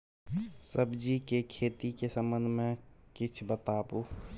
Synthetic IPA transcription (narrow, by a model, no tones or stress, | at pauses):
səbd͡ʒikekʰet̪ikesəmənd̪ʱmẽkit͡ʃʰbət̪abu